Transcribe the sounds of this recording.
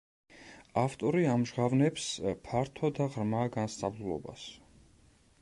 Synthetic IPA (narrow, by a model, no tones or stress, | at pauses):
aft̪ʼɔɾiamʒʁavnɛpspʰaɾt̪ʰɔd̪aʁɾmaɡanst̪sʼavlulˠɔ̰ba̰s